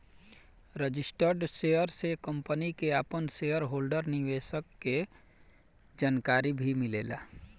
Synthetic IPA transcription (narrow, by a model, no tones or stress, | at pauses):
ɾəd͡ʒɪsʈəɾɖʃeːəɾsekə̃mpənikeaːpənseːjəɾɦoːlɖəɾnɪʋeːʃəkːe | d͡ʒaːnkaːɾibʱimɪleːla̰ː